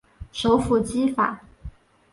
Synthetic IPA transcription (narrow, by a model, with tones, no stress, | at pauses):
ʂo˧˥ʊfu˨˩t͡ɕi˥fa̰˨˩˦